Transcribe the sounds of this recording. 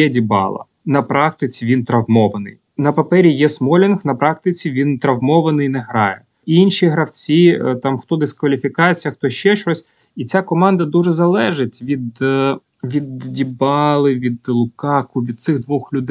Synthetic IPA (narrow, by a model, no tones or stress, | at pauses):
jɛdʲibɑ̰lˠɐ̰ | nɐpɾɑk̚t̪ɪt͡sʲiʋʲint̪ɾɐʋmɔʋɐnɪ̰j | nɐpɐpɛɾʲijɛsmɔlʲɪnxnɐpɾɑk̚t̪ɪt͡sʲiʋʲint̪ɾɐʋmɔʋɐnɪjnɛɦɾɑjɛ | inʲʃiɦɾɐwt͡sʲit̪ɑmxt̪ɔd̪ɪskʋɐlʲifʲikɑjet͡sʲjɐxt̪ɔʃt͡ʃɛʃt͡ʃɔsʲ | it͡sʲakɔmɑnd̪ɐd̪uʒɛzɐlˠɛʒɪtʲʋʲid̪ | ʋʲid̪dʲibɑlˠɪʋʲid̪lˠʊkɑkʊʋʲid̪̚t̪sɪɣd̪ʋɔxlʲʊd̪